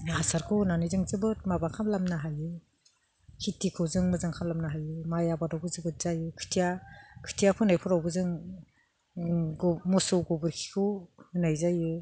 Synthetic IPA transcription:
asaɾkʰɯwnanizɯŋzɯbɯt̚mabakʰamlamnaɦajɯ | kʰitikʰɯwzɯŋmɯzɯŋkʰamlamnaɦajɯmajabadawbɯzɯbɯt̚z̥ajɯkʰɯ̥tʰijakʰɯ̥tʰijapʰɯnajpʰɯɾawbɯzɯŋ | ɡɔmɔsɔwɡɔbɯɾkʰi̥kʰɯwhɯnajzajɯ

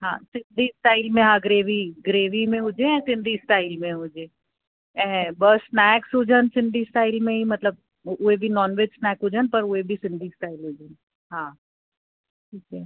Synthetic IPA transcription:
ɦã̰ːsɪnɖʱisʈaːɪlmẽɦãɡɾeːʋiɡɾeːʋimẽɦʊd͡ʒeɛ̃sɪ̃nd̪ʱisʈaːɪlmẽɦʊd͡ʒe | ɛɦɛ̃bəsːnɛːksɦod͡ʒʱənsɪ̃ɳɖisʈaːɪlmẽɦimɐt̪ləb̚ | ʊɦebʱinɔːnʋeːd͡ʒsnɛːkɦod͡ʒʱənpɐɾʊebʱisɪ̃ɳɖisʈaːɪlɦod͡ʒən | ɦãː | ʈʰiːkɛ

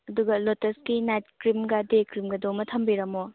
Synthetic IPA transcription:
ɐduɡɐlotɐskinajt̚kɾimɡɐdekɾimɡɐdomɐtʰɐmbiɾɐmo

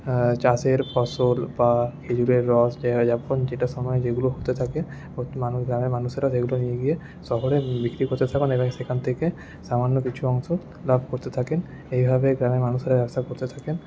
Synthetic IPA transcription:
t͡ʃaseɾpɔsolbakʰed͡ʑuɾeɾːɔsd͡ʒd͡ʒapond͡ʑeʈaʃɔmɔed͡ʑeɡuloɦot̪et̪ʰake | omanuɡɾamemanuʃeɾaseɡulonijeɡije | sɔɦoɽebikɾikoɾt̪et̪ʰakonebɔŋsekʰant̪ʰeke | samanːokit͡ɕʰuɔŋʃo | labʱkoɾt̪et̪ʰaken | ejbʱabeɡɾamemanuʃeɾabɛbst̪akoɾt̪et̪ʰaken

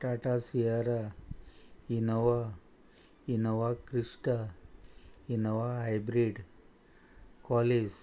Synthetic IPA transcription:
ʈaʈasijaɾa | inɔʋa | inəʋakɾiʂʈa | inəʋaɦajbɾiɖ | kɔles

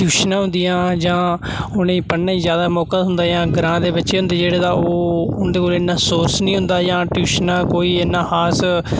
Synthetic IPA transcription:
ʈjuːʃnãːɦʊ̃nd̪ijãːd͡ʒãː | ʊnẽːpənːãːĩːzjaːd̪aːmɔːkəd̪ɦʊnd̪aːjãːɡɾãːd̪eːbətːʃeːɦʊnd̪eːd͡ʒeːɽeːd̪aːoːʊnd̪eːkoːleːnːãːsoːsnĩːɦʊ̃nd̪aːd͡ʒãːʈjuːʃnãːkoːiːeːnːãːhaːs

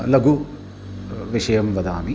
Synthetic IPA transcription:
lɐɡu | ʋiʂɐjɐmʋɐd̪aːmi

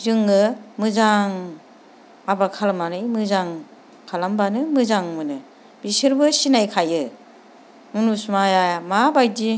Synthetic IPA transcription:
zɯŋɯmɯzaŋ | abakʰalamanɯjmɯzaŋ | kʰalambanɯmɯzaŋmɯnɯ | bisɯɾbɯsinajkʰajɯ | mɯnusmajamabajdi

